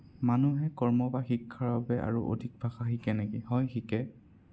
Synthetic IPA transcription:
manuɦɛkɔɹmɔbaxikʰːaɹaabɛʔa̰ɹuʔo̰dʱik̚bʱaxaxikɛnekihɔjxikɛ

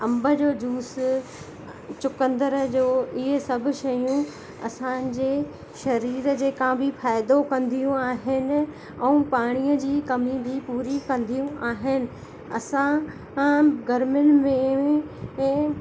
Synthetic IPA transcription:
ɐ̃mbə̆d͡ʑoːd͡ʑuːs | t͡ɕʊkə̃nd̪əɾəd͡ʑoːɪɦesɐbʱʊ̆ʃɐjũ | ɐ̰sãd͡ʑeː | ʃɐɾiːɾd͡ʑeːkãbʱɪfaːɪd̪okɐ̃nd̪ʱijũaːɦɪnɪ̆ | ɛ̃ũpaːɽ̃ijəd͡ʑiːkɐmibʱipuːɾikɐ̃nd̪ʱijũaːɦɪnɪ̆ | ɐ̰sã | ɡɐɾmʊnɪ̆mẽ

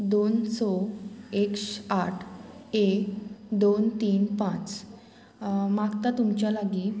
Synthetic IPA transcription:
d̪onsɔekʂaʈʰe | d̪ont̪iːnpãt͡s | maɡt̪at̪umt͡ɕjalaɡiː

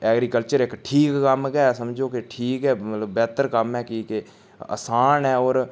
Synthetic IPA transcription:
ɛːɡɾiːkəlt͡ʃəɾɪkʈʰiːkːəmkɛːsəmd͡ʒoːkeʈʰiːkɦɛːmət̪ləbbɛːt̪əɾkəmɛːkike | ə̰saːnɦɛːɔːɾ

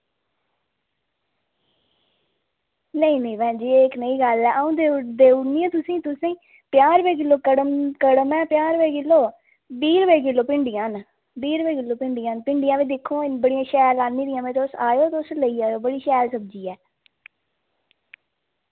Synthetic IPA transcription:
nəĩːnəiːʋɛ̃ːd͡ʒeːeɪknəiːɡəlɛːʔəũːd̪ed̪eːʊniːãːt̪ʊsĩːt̪ʊsĩː | pɪjaːɾʋeːk̬ɪlːoːkəɽəmkəɽəmɛːpjaːɾʋeːkɪlːoː | biːɾʋeːkɪlːoːpɪɳɖɪjãːn | biːɾʋeːkɪlːoːpɪɳɖɪjãːnpɪɳɖɪjãːʋiːd̪ɪkʰːõːɪbəɽɪjãːʃɛːɾlaːniːd̪ɪjãːmẽːt̪eʊsaːjoːt̪eʊsləiːaːjoːbəɽiːʃɛːlsəbd͡ʒiːɛː

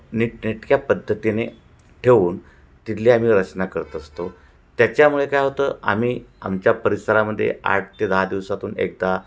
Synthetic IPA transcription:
niʈniʈ̪kjapəd̪ʱːət̪ine | ʈʰeʋuːn | t̪it̪liːam̤iːɾət͡ɕnakəɾt̪əst̪o | t̪jat͡ɕjamuɭekajɦot̪əːa̰m̤iːa̰mt͡ɕjapəɾisəɾaməd̪ʱːjḛa̰ʈ̚ʰt̪ed̪əɦad̪iʋsat̪uːnḛk̚d̪a

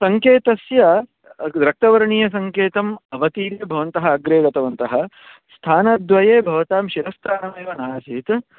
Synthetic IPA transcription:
sɐŋkeːt̪ɐsjɐ | ɾɐk̚t̪ɐʋɐɾɐɳiːjɐs̬ɐŋkeːt̪ɐmɐʋɐt̪iːɾjɐbʱɐʋɐnt̪ɐɦɐːɡɾeːɡɐt̪ɐʋɐnt̪ɐɦɐ | st̪ʰaːnɐd̪ʋɐjeːbʱɐʋɐt̪aːmʃiɾɐst̪ʰaːnɐmeːʋɐnaːsiːt̪

